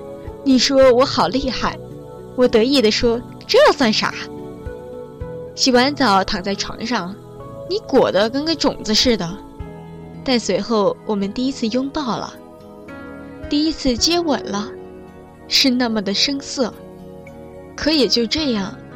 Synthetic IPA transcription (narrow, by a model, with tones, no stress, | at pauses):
ni˨˩ʂwɔ˥wɔ˧˥xɑ˨˩ʊli˥˧xa˥˩ɪ | wɔ˨˩t̪ɤ˧˥i˥˩d̪ə˩ʂwɔ˥ | ʈ͡ʂɻ̩˧˥jɑ˥˧ʊswa˥˩nʂa̰˨˧˥ | ɕi˨˩xwa˧˥nt͡sɑ˨˩˥ʊt̪ʰɑ˨˩ŋt͡sa˥˩ɪʈ͡ʂʰwɑ̰˧˥ŋʂɑ˥˩ŋ | ni˧˥kwɔ̰˨˩d̪ə˦kə˥nɡə˥˧ʈ͡ʂʊ˨˩ŋd͡z̩˧˦ʂɻ̩˥˩d̪ə˩ | t̪a˥˩nswe˧˥ɪxo˥˩ʊwɔ˨˩mə˦nt̪i˥˩i˥t͡sʰɹ̩˥˧jʊ˥ŋt̪ɑ˥˩ʊlə̰˩ | t̪i˥˩i˥t͡sʰɹ̩˥˩t͡ɕjɛ˥wə̰˨˩nlə˦ | ʂɻ̩˥˧na˥˩mə˩d̪ə˩ʂɤ˥ŋsɤ˥˩ | kʰɤ˧˥i˨˩t͡ɕjo˥˧ʊʈ͡ʂɤ˥˧jɑ˥˩ŋ